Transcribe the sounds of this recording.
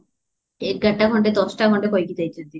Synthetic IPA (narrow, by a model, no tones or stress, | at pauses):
ek̚ɡaʈ̚ːaɡʱɔɳʈet̪ɔt͡ɕʈaɡʱɔɳʈekojkit̪ajt͡ɕʰend̪i